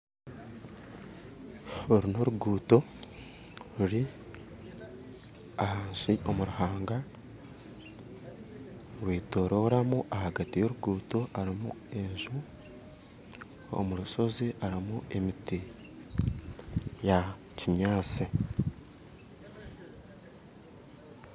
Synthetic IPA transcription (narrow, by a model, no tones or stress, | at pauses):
oɾino̞ɾuɡuːto̞ | ɾuɾi | ahaːnsio̞muɾuhaːŋɡa | ɾwiːtoɾoɾamuʔahaɡatijo̞ɾuɡuːto̞aɾimṵe̞ɲʒu | o̰muɾuso̞ziʔaɾimue̞miti | ja | ciɲaːt͡si